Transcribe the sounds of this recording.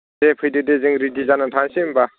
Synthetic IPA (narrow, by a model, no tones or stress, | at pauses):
epʰɯjdɯdezɯŋɾidizanatʰaŋsimba